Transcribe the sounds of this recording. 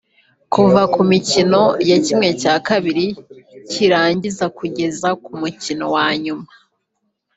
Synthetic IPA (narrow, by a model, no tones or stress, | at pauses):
kuvakumicino̞jacimŋe̞caːkaβiɾiciɾaːɲɟizakuɟe̞zakumucino̞waːɲuma